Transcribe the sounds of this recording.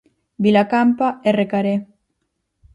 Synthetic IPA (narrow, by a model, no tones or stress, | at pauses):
bilakampaerekaɾe